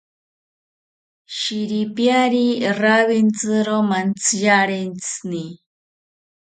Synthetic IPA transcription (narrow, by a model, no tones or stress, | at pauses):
ʃiɾipjaɾiraβint͡sɨɾomant͡sʰjaɾent͡sni